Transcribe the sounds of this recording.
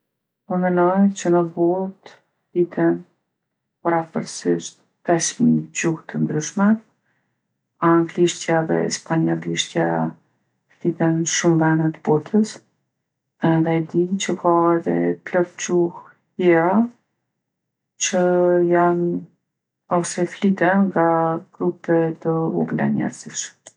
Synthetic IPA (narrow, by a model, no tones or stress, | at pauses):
əmɛnɔjt͡ɕənəbɔt̪ | θit̪ʰɛn | paɾapəɾsiʃt̪̚ | pɛsmid͡ʑuht̪ənd̪ɾyʃmɛ | aŋɡliʃt̪jaðɛ̰spaɲaliʃt̪ja | θit̪ɛnʃumvɛnət̪əbɔt̪ʰəs | ɛðɛd̪int͡ɕəkʰaɛðɛ̰plɔpd͡ʑuh | jjɛɾa | t͡ɕəjan | ɔsɛflit̪ɛnŋɡaɡ̥ɾupɛt̪əubla̰ɲɛ̰ɾziʃm